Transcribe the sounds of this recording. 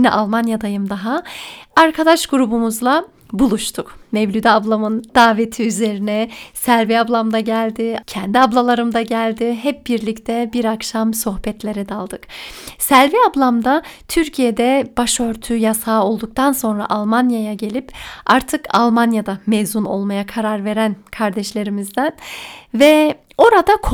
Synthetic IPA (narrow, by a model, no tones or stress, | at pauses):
nɛ̰ʔalˠmanjad̪ajɯmd̪aɦaaɾkʰad̪aʃɡuɾubumuzlˠa | bulˠuʃt̪ʰukmɛvlʲyd̪ɛablˠamɯnd̪̥aːve̞t̪ʰiyze̞ɾinɛsælʲviablˠamd̪aɟælʲd̪ɪcʰɛnd̪iablˠalˠaɾɯmd̪aɟælʲd̪ɪɦɛp̚biɾlʲict̪ʰɛbiɾakʃamso̞xbɛt̪lʲe̞ɾɛd̪alˠd̪ɯksælʲviablˠamd̪at̪ʰyɾcʰijed̪ɛb̥aʃø̞ɾt̪ʰyjasaːo̞lˠd̪uk̚t̪ʰanso̞nɾa̰ʔalˠmanjajaɟe̞lʲipaɾt̪ʰɯka̰lˠmanjad̪amezuno̞lˠmajakʰaɾaɾve̞ɾænkʰaɾd̪ɛʃlʲe̞ɾimizd̪ænvɛ | o̞ɾad̪akʰ